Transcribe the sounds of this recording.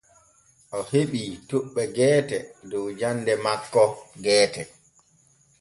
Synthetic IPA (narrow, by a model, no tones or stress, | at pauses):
ʔɔheɓitoɓːɛɡɛːtɛdɔwd͡ʒandɛmakːɔɡɛːtɛ